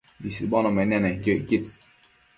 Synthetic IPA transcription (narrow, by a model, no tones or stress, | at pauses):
bisiɓɔnɔmɛnanɛŋ̩keʔkit̚